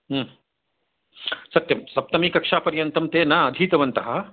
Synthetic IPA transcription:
sɐt̪jɐmsɐp̚t̪ɐmiːkɐkʂaːpɐɾjɐnt̪ɐmt̪eːnaːɐd̪ʱiːt̪ɐʋɐnt̪ɐɦɐ

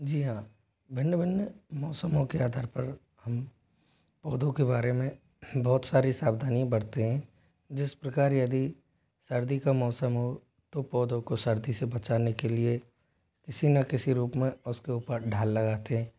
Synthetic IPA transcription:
d͡ʒiːɦãː | bʱɪnjəbʱɪnjəmɔːsəmõkeaːd̪ʱaːɾpɐɾ | hɐm | pɔːd̪õkebaːɾemẽ | bɔːt̪saːɾisaːbd̪ʱaːniãbɐɽt̪eɦɛ̃ | d͡ʒɪspɾɐkaːɾjɐd̪i | sɐɾd̪ʱikamɔːsəmɦo | t̪opɔːd̪õkosɐɾd̪isebɐt͡ʃaːnekelie | kɪsinɐkɪsiɾuːpmẽʊskeuːpəɾɖʱaːlːɐɡaːt̪eɦɛ̃ː

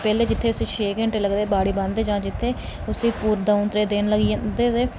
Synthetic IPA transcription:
pɛːleːd͡ʒɪt̪ʰːeːʊsĩːʃeːkẽɳʈeːləɡd̪eːbaːɽiːbə̃nd̪eːd͡ʒãːd͡ʒɪt̪ʰːeː | ʊsiːpuːɾd̪aʊ̃nt̪ɾeːd̪eːnləɡid̪eːeː

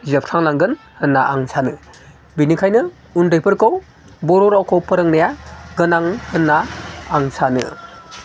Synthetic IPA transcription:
zep̚tʰaŋlaŋɡɯn | hɯnːaʔaŋsʰanɯ | binikʰajnɯ | undɯjpʰɯɾkʰow | bɔɾɔɾawkʰɔwpʰɯɾɯŋnajaɡɯnaŋhɯnːaːŋsanɯ̰

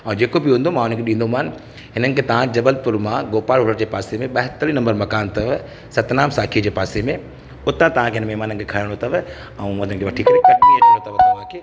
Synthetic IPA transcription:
ɛ̃d͡ʑeːkobɪɦũːn̆d̪omãʊnənkeɗĩːnd̪omaːnɪ | ɦɪnənɪ̆kʰet̪ɐʋ̤ãd͡ʑɐbəlpʊɾmãɡoːpaːlɦʊɽəɾd͡ʑeːpaːsemẽɓɐɦɪt̪əɾinɐ̃mbəɾmɐkaːnt̪ɐʋ | sɐt̪naːmsaːkʰid͡ʑeːpaːsemẽ | ʊt̪ãt̪ɐʋãkeɦɪnmɛɦmaːnənɪkʰekʰaːɪɽ̃ot̪ɐʋ | ɛ̃ʊnənkʰeʋɐʈʰikɐɾekɐʈiɐ̃ot̪ɐʋt̪ɐʋãkʰeː

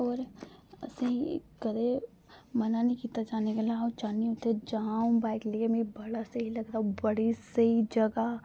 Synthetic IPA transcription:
ɔːɾɐseɦikɐd̪e | mɐnanɐɦĩkiːt̪ad͡ʒaːnekelaɦõt͡ʃaːniũt̪ed͡ʒaũbaːɪkliemẽibɐɽaseɦilɐɡ̚t̪aːɦũbɐɽiseɦid͡ʒɐɡa

